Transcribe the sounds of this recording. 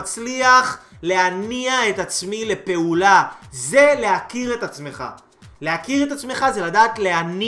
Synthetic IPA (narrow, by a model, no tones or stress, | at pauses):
t͡sliaχ | le̞aniae̞t̪at͡smile̞pe̞ulaze̞le̞ɦakiʁe̞t̪at͡sme̞χa̰ | le̞akiʁet̪at͡sme̞χaze̞ladaːt̪le̞ani